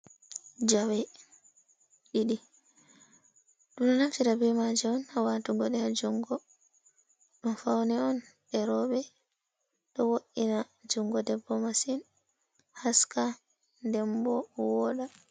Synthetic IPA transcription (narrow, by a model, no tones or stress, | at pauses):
d͡ʒawɛ | ɗiɗi | ɗuɗunaftiɾabɛmad͡ʒɛɔnhawatuɡɔɗɛhad͡ʒuŋɡɔ | ɗumfawnɛɔnɗɛɾɔɓɛ | ɗɔwoɗina | d͡ʒuŋɡɔdɛbːɔmasin | haska | ndɛmbɔwɔɗa